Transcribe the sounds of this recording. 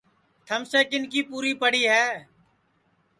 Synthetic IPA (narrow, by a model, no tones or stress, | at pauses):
t̪ʰəmseːkɪnkiːpuːɾiːpəɽiːɦɛː